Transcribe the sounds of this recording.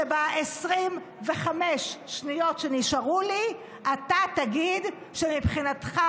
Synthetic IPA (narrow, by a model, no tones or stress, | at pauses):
ebaesʁim | veχameʃʃnijo̞tʃeniʃaʁuli | atataɡid | ʃemipχinat̪χa